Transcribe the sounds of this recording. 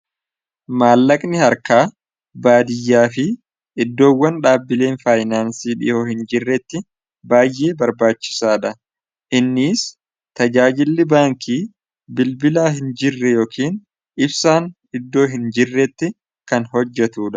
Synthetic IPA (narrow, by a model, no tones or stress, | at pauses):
maːlːɐkʼnɪhɐɾkaː | baːd̪ɪjːaːfɪ | ɪd̪ːo̞ːwːɐnᶑaːbːɪle̞ːnfaːjnaːnsiːᶑɪ̰ʔoːhɪnd͡ʒɪrːɛt̪ːɪ | baːjːʔe̞ːbɐɾbaːt͡ʃːɪ̥saːᶑɐ | ʔɪnːiːs | t̪ɐd͡ʒaːd͡ʒɪlːɪbaːŋkiː | bɪlbɪlaːɦɪnd͡ʒɪrːɛjo̞ːkʰiːn | ɪbsaːn | ɪd̪ːo̞ːɦɪnd͡ʒɪrːɛt̪ːɪ | kɐnhɔd͡ʒːɛt̪uːᶑɐ̥